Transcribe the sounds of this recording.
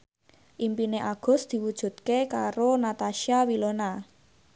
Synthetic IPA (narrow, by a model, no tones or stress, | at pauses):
ʔimpineʔaɡ̥ʊ̤sd̪̥i̤wud̥ʒ̥ṳt̪̚kekaɾonat̪aʃiawilona